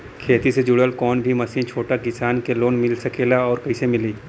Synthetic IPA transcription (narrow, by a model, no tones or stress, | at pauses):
kʰeːt̪ised͡ʒʊɽəlkɔːnbʱimɐsiːnt͡ʃʰoːʈakɪsaːnkeloːnmɪlsɐkeːlaɔːɾkɐisemɪliː